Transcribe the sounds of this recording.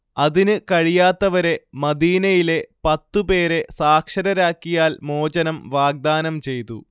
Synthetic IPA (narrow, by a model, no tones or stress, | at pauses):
ɐðinɨkɐɻijaːt̪ːɐʋɐɾe̞mɐd̪iːnɐjile̞pɐt̪ːupe̞ːɾe̞saːkʂɐɾɐɾaːkːijaːlmoːd͡ʑɐnɐmʋaːɡ̚d̪aːnɐmt͡ɕe̞jt̪ṵ